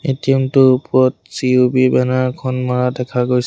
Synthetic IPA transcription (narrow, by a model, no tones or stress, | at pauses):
etimtʊpɔɔt̚siubibɛnaɹkʰɔnmaɹadɛkʰaɡojs